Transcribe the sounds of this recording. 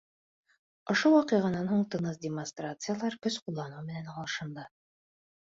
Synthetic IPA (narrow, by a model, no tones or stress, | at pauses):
ŏʃowɑqɤ̆ʁɑnɑnhuɴt̪ɤ̆nɤsdʲɪmonst̪rat̪sɨjalˠɑɾkɵsqulˠːɑnuwmɘ̆nænɑlˠɤʃɤ̆nd̪ɑ